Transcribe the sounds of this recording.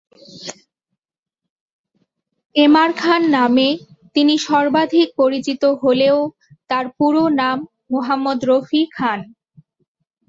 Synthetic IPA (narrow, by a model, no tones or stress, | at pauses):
emaɾkʰanːame | t̪iniʃɔɾbad̪ʱik̚poɾit͡ɕit̪oɦoleo | t̪aɾpuɾonamː | oɦamːod̪ɾofikʰan